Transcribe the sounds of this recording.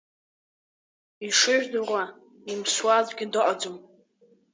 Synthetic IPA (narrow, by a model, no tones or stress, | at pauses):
iʂɨʒᶣdʊʁʷa | imswazʷɡʲɪdɨʔʼad͡zom